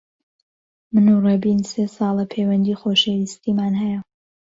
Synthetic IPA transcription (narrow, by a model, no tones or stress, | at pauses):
mɨnurebiːnsesɑːlˠɐpʰewɐnd̪iːxoːʃejist̪iːmaːnɦɛjɐ